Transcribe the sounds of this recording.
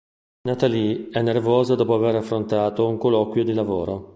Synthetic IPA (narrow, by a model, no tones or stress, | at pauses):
nat̪aliɛnːervɔːzad̪ɔːpoaveɾafːɾont̪aːt̪ouŋkolɔkwjod̪ilavoːɾo